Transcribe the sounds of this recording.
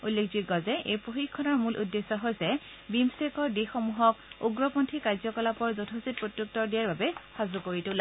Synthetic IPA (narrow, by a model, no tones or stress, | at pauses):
ulːekʰziɡɔzɛʔejpɹoxikʰːɔnɔɹmulʔudːesɔɦojsɛ | bimsekɔɹdixomuɦɔkuɡɹɔpontʰikaɹzɔkɔlapɔɹzɔtʰosit̚pɹotjuk̚tɔɹdijaɹbabɛxazukoɹitɛla